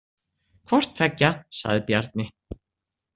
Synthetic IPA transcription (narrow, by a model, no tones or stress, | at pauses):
kʰvɔr̥t̪ʰɾɛcːasa̰ɣðɪpjaɾt̪̚nɪ